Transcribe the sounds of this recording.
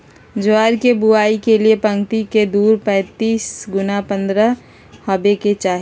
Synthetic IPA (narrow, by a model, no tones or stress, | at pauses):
d͡ʒʊaːɾkebʊaːikeliepə̃ŋɡt̪iked̪uːɾpɛ̃ːt̪iːsɡʊnapə̃nd̪ɾə | hɐbeket͡ʃaːɦ